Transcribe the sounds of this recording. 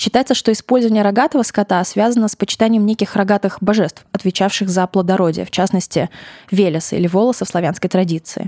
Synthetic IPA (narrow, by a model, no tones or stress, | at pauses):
ɕːɪt̪ajɪt̪səʂt̪o̞ɪspo̞lʲzəvənʲɪjəɾɐɡat̪əvəskɐt̪asvʲazənəspət͡ɕɪ̥t̪anʲɪjəmnʲekʲɪxɾɐɡat̪ɨxbɐʐɛst̪fɐt̪vʲɪt͡ɕafʂɨxzəplˠəd̪ɐɾo̞dʲɪ̰jə̰ft͡ɕasnəsʲtʲɪvʲelʲɪsɨḭlʲɪvo̞lˠəsəfslˠɐvʲanskəjt̪ɾɐdʲit̪sɨ̰ɪ̰